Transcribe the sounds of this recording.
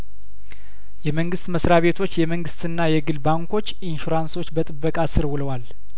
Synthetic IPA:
jɛməŋɡɨst̪məsɾaβe̞t̪ʰo̞t͡ʃːjɛməŋɡɨst̪ɨnːajɛɡɨlbaŋko̞t͡ʃːɪnʃuɾanso̞t͡ʃːbət̪ʼɨbːəkʼasɨɾwʊləwal

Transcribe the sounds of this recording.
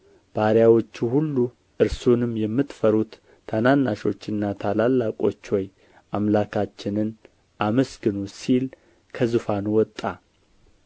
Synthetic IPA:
b̥aɾjawo̞t͡ʃːuhulːu | ʔɨɾsonɨmjɛmːɨt̪fəɾut̪ʰː | ananːaʃo̞t͡ʃːɨnːat̪ʰalalːakʼo̞t͡ʃːwɔj | ʔamlakʰat͡ʃːɪnɨn | ʔaməsɡɨnusil | kʰəzɨfanowɔt̪ʼːa

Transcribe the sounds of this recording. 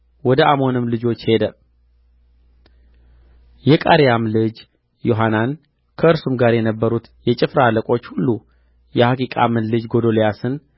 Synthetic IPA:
wɔd̪əʔamo̞nɨmlɨd͡ʒo̞t͡ʃːhe̞d̪ə | jɛkʼaɾijamlɨd͡ʒ | jo̞ɦanan | kʰəɨɾsumɡaɾjɛnəbːəɾut̪jɛt͡ʃʼɪfɾaaləkʼo̞t͡ʃːhulːu | jɛhakikʼa̰mɨnlɨd͡ʒɡo̞d̪o̞lejasɨn

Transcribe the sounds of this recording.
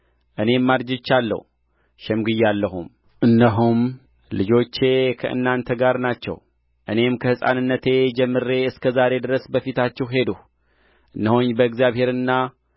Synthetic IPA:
ʔɨne̞mːaɾd͡ʒɪt͡ʃːalːə̰hu | ʃɛmɡɨjalːəɦṵm | ʔɨnːəɦum | lɨd͡ʒo̞t͡ʃːe̞kʰəʔɨ̰nːant̪ʰəɡaɾnat͡ʃːɛ̰w | ʔɨne̞mkʰəhɨsʼa̰nɨnːət̪ʰe̞d͡ʒɛmːɨɾe̞ɨskʰəzaɾe̞d̪ɨɾəsbəfit̪at͡ʃːɛhɦe̞d̪uh | ʔɨnːəhoɲbəɨkzijaβhe̞ɾɨnːa

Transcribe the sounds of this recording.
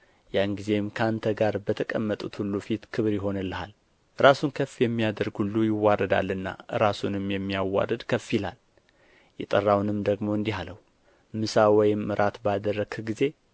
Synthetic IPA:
janɡize̞mkʰəant̪ʰəɡaɾbət̪ʰəkʼəmːət̪ʼut̪hulːufit̪kʰɨβɾjɪɦo̞nɨlːəhal | ʔɨɾasunkʰəfijɛmːijad̪əɾɡhulːujɪwːaɾəd̪a̰lːɨnːa̰ʔɨɾasunɨmjɛmːijawːa̰ɾəd̪kʰəfːilal | jɛt̪ʼərːawnɨmd̪əɡmo̞ɨnd̪iɦaləhu | mɨsawɔjɪmɨɾʔat̪bad̪ərːəɡɡize̞

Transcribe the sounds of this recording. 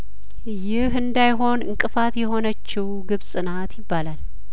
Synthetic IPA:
jɪhɨnd̪ajɦo̞nɨ̰ŋkʼɨfat̪jɛɦo̞nət͡ʃːɪwɡɨβsʼɨnat̪jɪbːalal

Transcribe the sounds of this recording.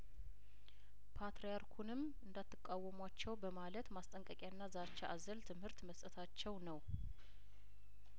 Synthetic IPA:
pʰat̪ɾejaɾkʰunɨm | ɨnd̪at̪ʰːɨkʼːawːəmwat͡ʃːɛwbəmalət̪mast̪ʼəŋkʼəkʼjanːazat͡ʃːaʔazəlt̪ʰɨmhɨɾt̪məst̪ʼət̪ʰat͡ʃːɛwnəw

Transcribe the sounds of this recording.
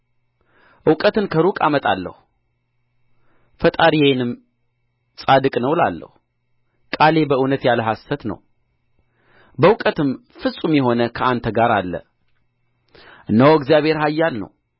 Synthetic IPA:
ʔɨwkʼət̪ɨnkʰəɾukʼamət̪ʼa̰lːə̰hu | fət̪ʼaɾijnɨm | sʼad̪ɨkʼnəwla̰lːə̰hu | kʼale̞bəɨwnət̪jaləɦasːət̪nə̰w | bəwkʼət̪ɨm | fɨsʼumjɛɦo̞nəkʰəant̪ʰəɡaɾalːə̰ | ʔɨnːəwɨɡzijaβhe̞ɾɦajːalnə̰w

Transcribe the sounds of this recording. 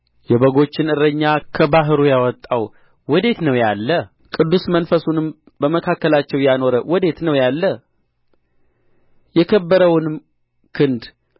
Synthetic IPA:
jɛβəɡo̞t͡ʃːɪnɨɾəɲːakʰəbaɦɨɾujawɔt̪ʼːaw | wɔd̪e̞t̪nəwjalːə | kʼɨd̪ːusmənfəsunɨm | bəməkʰakːəlat͡ʃːɛwjano̞ɾəwɔd̪e̞t̪nəwjalːə | jɛkʰəbːəɾəwnɨm | kʰɨnd̪

